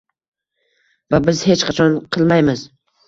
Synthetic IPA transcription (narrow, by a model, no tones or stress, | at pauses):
vabɪzhe̞t͡ʃqʰɑt͡ʃʰɒnqʰɨlˠmajmɪz